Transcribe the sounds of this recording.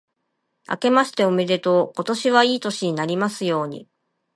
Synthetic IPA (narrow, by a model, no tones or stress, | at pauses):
a̰ke̞maɕi̥t̪e̞ome̞d̪e̞t̪o̞ko̞t̪o̞ɕiβaiːt̪o̞ɕiɲ̟inaɾʲimasɨjo̞ːɲ̟ḭ